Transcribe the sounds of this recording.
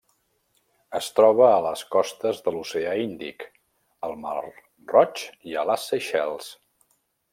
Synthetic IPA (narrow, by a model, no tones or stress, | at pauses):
əst̪ɾɔβ̞əːləskɔst̪əzðəluseaind̪ḭk | əlˠma̰r | rɔt͡ʃiəlasːəʃɛlˠs